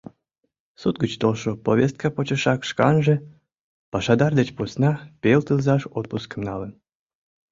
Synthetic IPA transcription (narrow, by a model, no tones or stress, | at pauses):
sut̪̚ɡət͡ɕt̪olʃopoβʲest̪̚kəpot͡ɕə̆ʃɑkʃkɑnʒə̆ | pɑʃɑd̪ɑrd̪et͡ɕpusnɑpʲelt̪ɨlzɑʃot̪̚puskə̆mnɑlə̆n